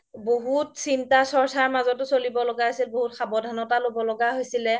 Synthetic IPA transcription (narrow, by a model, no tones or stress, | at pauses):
boɦutsintasɔɹsaɹmazɔtʊsolibɔlɔɡaasilboɦutxabɔdʱanɔtalobɔlɔɡaɦojsilɛ